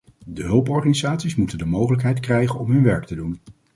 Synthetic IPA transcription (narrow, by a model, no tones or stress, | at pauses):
dəɦɵlˠpɔɹχanizaːtsismutəndəmowχələkɦɛjtkrɛjχənɔmɦɵnʋɛɹktədun